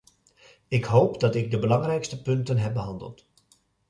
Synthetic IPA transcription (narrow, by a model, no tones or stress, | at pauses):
ɪkɦowpdɑtɪɡ̚dəbəlɑŋrɛjkstəpɵntənɦɛp̚bəɦɑndə̰lˠt